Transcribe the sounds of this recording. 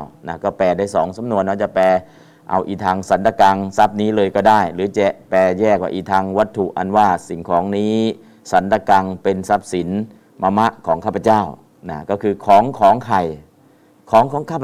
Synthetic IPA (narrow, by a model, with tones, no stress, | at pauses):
wna˧˥˩kɔː˥˩pɛː˨˩daː˥˩jsɔː˩˦ŋsa˨˦mnu˧ənːɔ˦˥t͡ɕa˨˩pɛː˧ | ʔa̰˧wʔiː˨˩t̪ʰaː˧ŋsa˩˦nt̪a˧ka˧ŋsa˦˥p̚niː˦˥lɤː˧jkɔː˥˩daː˥˩jlɯː˩˦t͡ɕɛ˨˩pɛː˧jɛː˥˩kwaː˧˩ʔiː˨˩t̪ʰaː˧ŋwa˦˥t̪ʰːu˨˩ʔa˧nwaː˥˩si˨˩ŋkʰɔː˩˦ŋniː˦˥ | sa˩˦nt̪a˧ka˧ŋpe˧nsa˦˥p̚si˩˦n | ma˧ma˦˥ʔkʰɔː˩˦ŋkʰaː˥˩pʰa˧t͡ɕaː˥˩w | na˦˥˩kɔː˥˩kʰɯː˧kʰɔː˩˦ŋkʰɔː˩˦ŋkʰa˨˩j | kʰɔː˩˦ŋkʰɔː˨˦ŋkʰaː˥˩pʰ